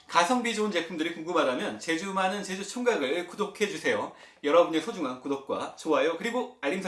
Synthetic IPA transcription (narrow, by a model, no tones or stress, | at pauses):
kasʰʌŋbid͡ʑount͡ɕe̞pʰumdɯɾikuŋɡɯmɦadamjʌnt͡ɕe̞d͡ʑumɦanɯnt͡ɕed͡ʑut͡ɕʰuŋɡaɡɯɭkudokʰe̞d͡ʑusʰe̞jo | jʌɾʌbunesʰod͡ʑuŋɦankudop̚k͈wa̰t͡ɕoɦajokɯɾiɡoaʎːimsʰ